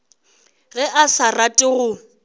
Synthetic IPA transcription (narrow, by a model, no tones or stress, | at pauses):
ɣɛʔasaratʼɪɣʊ